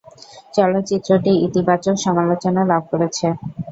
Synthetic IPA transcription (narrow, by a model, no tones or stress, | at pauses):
t͡ɕɔlot̪ːt͡ɕit̪ːɾoʈiit̪ibat͡ɕokʃɔmalot͡ɕonalab̚ʱkoɾet͡ɕʰe